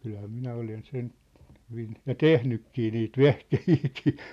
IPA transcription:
kylhæ minæ olen sen hyʋin jɑ tehnykːiː niːt ʋehkehiːkiː

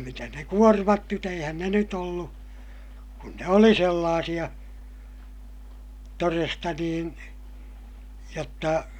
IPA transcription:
mitæs ne kuormɑt nyt eihæn ne nyt olːu kun ne oli selːɑːsij̆ɑ torestɑ niːn jotːɑ

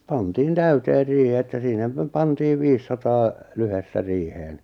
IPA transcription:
pɑntiːn tæyteːr riːhĭ etːæ sinæ pæ pɑntiːʋ ʋiːsːɑtɑː lyhestæ riːheːn

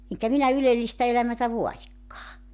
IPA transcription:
eŋkæ minæ ylelːistæ elæmætæ ʋoɑjikːɑː

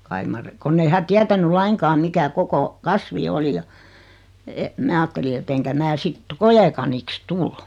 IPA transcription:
kɑi mɑr konː ei hæ tiætæny lɑiŋkɑːm mikæ koko kɑsʋi oli jɑ et mæː ɑːtːeli et eŋkæ mæː sit kojekɑniks tul

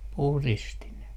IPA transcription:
puhristi ne

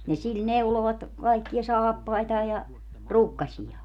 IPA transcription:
ni sil neuloʋɑt kɑikːij̆ɑ sɑːpːɑitɑː jɑ rukːɑsʲij̆ɑː

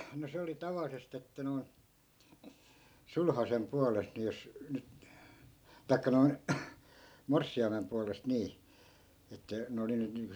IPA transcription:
no se oli tɑʋɑlːisest etːæ noi̯n sulhɑsem puɑlest ni jos nyt tɑi̯kːɑ noi̯n morsːiɑimem puɑlest niː etːæ ne oli nyt niːŋko

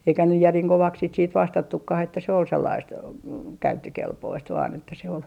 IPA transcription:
eikæ nyj jæriŋ koʋɑks sit siːt ʋɑstɑtːukːɑh etːæ se ol selːɑist kæytːøkelpoist ʋɑːn etːæ se ol

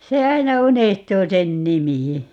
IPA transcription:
se ɑinɑ unehtuː sen nimi

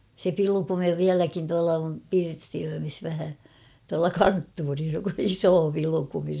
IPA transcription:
se pilukumi ʋiælækin tuɑlɑ om pirstiøːmis ʋæhæ tuɑlɑ kɑntːuːris isoː pilŭkumi

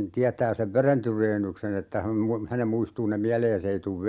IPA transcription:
tiætæː seʋ ʋeren tyreːnːyksen etːæ hæm mu hænem muistuː ne miæleːs ei tuʋ

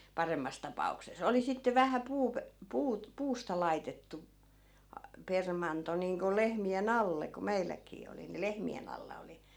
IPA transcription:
pɑremːɑs tɑpɑukses oli sitːe ʋæhæ puːp puːt puːstɑ lɑitetːu ɑ permɑnto niːŋko lehmien ɑlːe ku meilːækˑiː oli ni lehmien ɑlːɑ oli

